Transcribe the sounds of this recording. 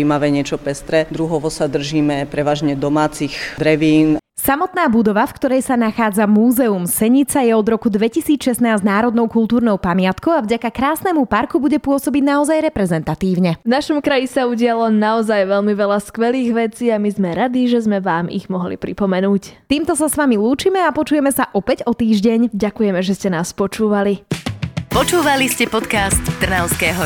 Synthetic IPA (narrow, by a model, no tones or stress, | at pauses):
imaʋɛɲɪɛt͡ʃɔpɛst̪ɾɛd̪ɾuɦɔʋɔsad̪r̩ʒiːmɛpɾɛʋaːʒɲɛd̪ɔmaːt͡sixd̪ɾɛʋiːn | samɔt̪naːbud̪ɔʋafkt̪ɔɾɛjsanaxaːd͡zamuːzɛumsɛɲit͡sajɛɔd̪ɾɔkud̪ʋɛcisiːt͡sʃɛsnaːznaːɾɔd̪nɔʊkult̪uːɾnɔʊpamɪat̪kɔʊavɟakakɾaːsnɛmupaɾkubuɟɛpʊɔsɔbiɟnaɔzajɾɛpɾɛzɛnt̪at̪iːʊɲɛvnaʃɔmkɾajisauɟɪalɔnaɔzajʋɛlmiʋɛlaskʋɛliːɣʋɛt͡siːamizmɛɾad̪iʒɛzmɛʋaːmḭɣmɔɦlḭpɾipɔmɛnuːct̪iːmt̪ɔsasʋamiluːt͡ʃimɛapɔt͡ʃujɛmɛsaʔɔpɛɟɔt̪iːʒɟɛɲɟakujɛmɛʒɛscɛnaːspɔt͡ʃuːʋali | pɔt͡ʃuːʋaliscɛpɔt̪kast̪t̪r̩naʊskɛːɦɔ